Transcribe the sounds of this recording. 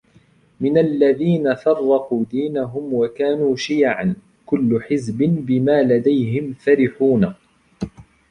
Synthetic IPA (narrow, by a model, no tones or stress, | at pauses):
mɪnalːaðiːnafɑrˤːɑquːd̪iːnaɦʊmwakaːnuːʃijʕan | kʊlːʊħɪzbɪnbɪmaːlad̪ajɦɪmfaɾɪħuːna